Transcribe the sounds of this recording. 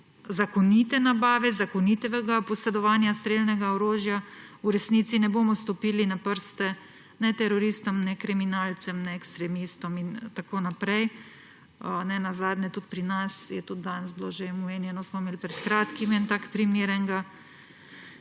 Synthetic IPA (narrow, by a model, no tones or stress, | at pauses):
zakɔnit̪ɛnabaːʋɛzakɔnit̪ɛʋɛɡapɔsɛd̪ɔʋaːnjast̪ɾelnɛɡaɔɾoːʒjauɾɛsniːt̪sinɛboːmɔst̪ɔpiːlinapəɾst̪ɛ | nɛt̪ɛɾɔɾiːst̪ɔmnɛkɾiminaːlt̪sɛmnɛːkst̪ɾɛmist̪ɔmint̪akoːnapɾɛj | nɛnazaːd̪nʲɛt̪ut̪̚pɾinasjɛt̪ud̪̚d̪anzloʒemumeːnjɛnɔsmɔmeːlipɾɛt̪kɾaːt̪kimint̪akpɾimeːɾɛŋɡa